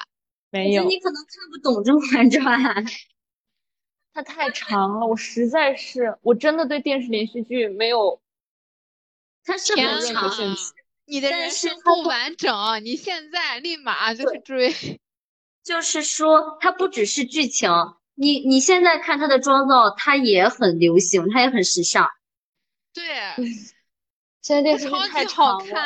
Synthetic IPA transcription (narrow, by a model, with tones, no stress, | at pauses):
me˧˥ɪ˥jo˨˥˩ni˧˥kʰɤ˨˩nɤ˧˥ŋkʰa˥˧npu˥˩t̪ʊ˨˩ŋʈ͡ʂɤ˥ŋxa˧˥nʈ͡ʂwa˥˩ | t̪ʰa˥t̪ʰa˥˩ɪʈ͡ʂʰɑ˧˥ŋlə˧wɔ˨˩ʂɻ̩˧˥t͡sa˥˧ɪʂɻ̩˥˩wɔ˨˩ʈ͡ʂə˥nd̪ə˨t̪we˥˧ɪt̪jɛ˥˧nʂɻ̩˥˩ljɛ˧˥nɕy˥˧t͡ɕy˥˩me˧˥ɪjo˨˩ʊ | t̪ʰa˥ʂə˥˩ɑ˧˩˥ | ni˨˩d̪ə˦˧a˥ə˧nʂɻ̩˥˧t̪ʰa˥˩wa˧˥nʈ͡ʂɤ˨˩ŋɐ˦ni˨˩ɕjɛ˥˧nt͡sa˥˧ɪli˥˩ma̰˨˩˦t͡ɕjo˥˧ɻʈ͡ʂwe˥ɪ | t͡ɕjo˥˧ʊʂɻ̩˥˩ʂwɔ˥t̪ʰa˥pu˥˩ʈ͡ʂɻ̩˨˩ʂɻ̩˥˧t͡ɕy˥˩t͡ɕʰjɑ˧˥ŋ | ni˨˩ni˨˩ɕjɛ˥˧nt͡sa˥˧ɪkʰa˥˩nt̪ʰa˥d̪ə˨ʈ͡ʂwɑ˥ŋt͡sɑ˥˩ʊt̪ʰa˥jɛ˧˥xə˨˩nljo˧˥ʊɕi˧˥ŋt̪ʰa˥jɛ˧˥xə˨˩nʂɻ̩˧˥ʂɑ̰˥˩ | t̪we˥˩ɪ | ɕjɛ˥˧n˥˧t̪jɛ˥˧ʂɻt͡ɕt̪ʰa˥˧˩ɪʈ͡ʂʰɑ˧˥˧ŋʰa˥˩